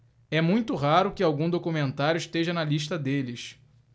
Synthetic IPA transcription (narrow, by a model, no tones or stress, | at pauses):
ɛmũj̃t̪ʊɦaɾʊkɪawɡũd̪okumẽnt̪aɾjʊiʃt̪eʒɐnɐliʃt̪ɐd̪elɪs